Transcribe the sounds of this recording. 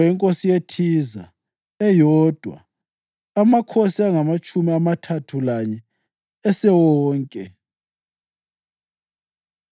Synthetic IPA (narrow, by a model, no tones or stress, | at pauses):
ɛŋkʼosijetʰiza̰ | ɛjɔːd̥ʱwa̰ | amakʰosiaŋamat͡ʃʼumiamatʰatʰulaɲɛ | ɛsɛwɔːŋkʼɛ